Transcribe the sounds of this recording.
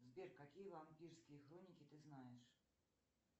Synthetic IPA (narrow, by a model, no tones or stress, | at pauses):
zbʲerkːɐkʲijəvampʲirskʲɪjəxɾonʲɪkʲɪt̪ɨznajɪʂ